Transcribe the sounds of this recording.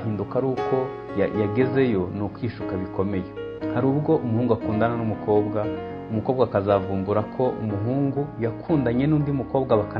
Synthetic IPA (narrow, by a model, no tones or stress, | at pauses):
hiːndukaɾuːkʰo̞ | jaɡe̞ze̞jo̞nukwiːʃukaβiko̞me̞je̞ | haɾuːbɡo̞ʔumuhuːŋɡuakuːndananumukʰo̞ːbɡa | umuko̞ːbɡakazavuːmbuɾakʰo̞ʔumuɦuːŋɡujakʰuːndaɲe̞nuːndiumuko̞ːbɡaβaka